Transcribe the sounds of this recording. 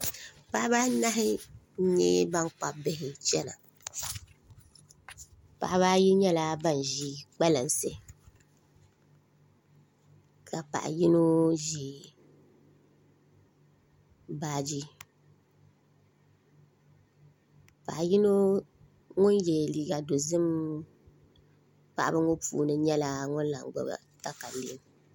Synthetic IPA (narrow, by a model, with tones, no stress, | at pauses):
pa˦ʔba˦na˦ɦɪ˦ | ɲe˦ba˦ŋk͡pa˨bɪ˦ɦɪ˨t͡ʃɛ˦na̰˨ | pa̰˨ʔβaː˦ji˦ɲɛ˦la˦ba˦˨n˨ʒiː˦k͡pɛ˦la˨n˨se˦ | ka˨pa̰˨ʔji˦no˦ʒiː˨ | baː˨˦d͡ʒi˦ | pa̰˨ʔji˦no˦ | ŋʊ˦n˦jɛ˨liː˨ɡa˨do˨zɨ˦m | pa˨ʔa˦bɨ˦ŋo˦pṵː˨nɨ˦ɲɛ˦la˨ŋʊ˦n˦la˨ŋ˨ɡ͡ba̰˦ba̰˨ | ta˦ka˨lḭ˦˨˦m˨